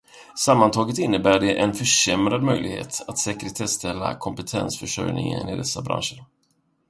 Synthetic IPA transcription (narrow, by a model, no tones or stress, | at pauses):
samːant̪ʰɑːɡət̪ɪnːəbæːɖɛʔɛnfœʂɛmɾad̪mœjlɪɡhḛːt̪at̪sɛkəɾət̪ʰɛst̪ʰɛlːa̰kʰɔmpɛt̪ʰɛnsfœʂœ̰jnɪ̰ŋə̰nɪd̪ɛsːabɾa̰nʂəɾ